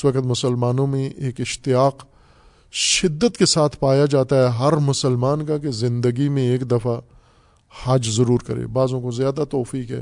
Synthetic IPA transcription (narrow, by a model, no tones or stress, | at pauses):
ʋɐkət̪mʊsəlmaːnõmẽʔeːkɪʃt̪ɪjaːq | ʃɪd̪ːət̪kesaːt̪ʰpaːjad͡ʒaːt̪aɦɛɦɐɾmʊsəlmaːnkakezɪ̃nd̪əɡimẽeːkd̪ɐfa | haːd͡ʒzɐɾuːɾkɐɾḛbaːzõkozjaːd̪at̪ɔːfiːkɦɛ̰ː